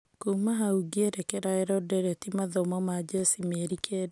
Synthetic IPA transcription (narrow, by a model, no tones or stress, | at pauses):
kumaɦauɡieɾɛkɛɾaɛɾɔdɛɾetimaðɔmɔmad͡ʒesimeɾikʰed